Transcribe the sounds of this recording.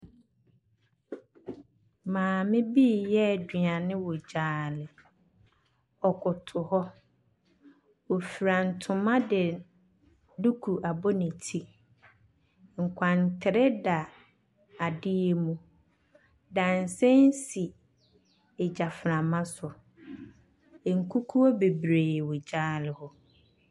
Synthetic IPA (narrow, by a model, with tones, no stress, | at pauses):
mãː˨mɪ̃˦bi˦˨jɛ˦˨dɥã˨nɪ̃˦wɔ˨d͡ʑaː˨lɪ˨ | ɔ˨kʰʊ˨tʰʊ˨hɔ˦ | o˨fi˨ɾa˨n̩˨tʰʊ̃˨mã˦dɪ˨ | du˦kʰu˨ʔa˨bɔ˦nɪ̃˨tʰi˨ | ŋ̩˨kʷʰã˨n˨tʰɪ˨ɾɛ˦da˨ | a˨dɪ˦e˦mũ˨ | dã˨n̩˨sɛ̃˦n˦si˨ | ɛ˨d͡ʑa˨fɾã˨mã˦sʊ˨ | ŋ̩˨kʰu˦kʰu˦ɔ˦be˨bɾeː˨wʊ˨d͡ʑaː˦lɪ˨hɔ˦